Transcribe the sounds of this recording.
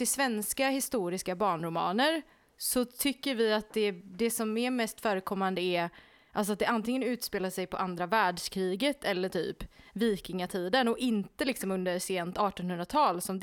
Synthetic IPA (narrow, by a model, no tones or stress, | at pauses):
ɪsvɛnskahɪst̪uːɾɪskabɑːɳɾʊmɑ̰ːnəɾ | sɔt̪ʰʏkːəɾvɪat̪̚d̪ɛd̪ɛsɔmɛɾmɛst̪fœːɾəkʰɔmːand̪əɛ | ʔals̬ɔat̪̚d̪ɛʔant̪ɪŋːənʉ̟ːt̪speːlaʂɛjpʰɔʔand̪ɾavæːɖʂkʰɾiːɡət̪ʰɛlːəʈʰy̰ːpviːkɪŋat̪ʰiːd̪ənɔɪnt̪əlɪksɔmɵnd̪əɾseːnt̪ɑːʈɔnhɵnd̪ɾat̪ʰɑːlsɔmd̪